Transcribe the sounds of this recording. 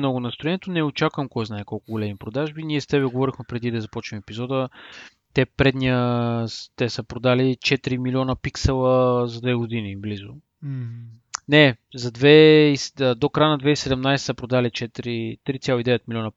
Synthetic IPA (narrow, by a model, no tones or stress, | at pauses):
nɔɡʊnɐst̪ɾoɛniɛt̪onɛot͡ʃakvəmkɔjznaɛkɔlˠkʊɡolʲɛmipɾod̪aʒbiniɛst̪ɛβɛɡovɔɾixmɛpɾɛd̪id̪ɐzɐpɔt͡ʃnimɛpizɔd̪ə | t̪ɛpɾɛd̪niəst̪ɛsəpɾod̪alit͡ʃɛt̪iɾimilʲiɔnəpiksɛlˠəzɐd̪vɛɡʊd̪iniblizʊ̰ | nɛzɐd̪vɛisəd̪okɾajnɐd̪vɛisɛd̪ɛmnajsɛ̥səpɾod̪alit͡ʃɛt̪ɾit̪ɾit̪sʲalˠoid̪ɛvɛt̪milʲiɔnɐ